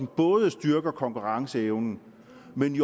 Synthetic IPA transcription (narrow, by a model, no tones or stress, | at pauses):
n̩b̥ɔ̽ːð̞ˠəsd̥yɐɡ̥ɐkʰɒ̽ŋkuʁɑ̈ŋsəeʊnn̩ | meni